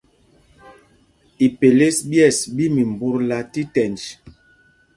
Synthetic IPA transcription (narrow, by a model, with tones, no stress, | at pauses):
i˨pe˨le˦sbjɛ˦˨sbi˦mi˨mbu˦ɾla˨ti˦tɛ˨nd͡ʒ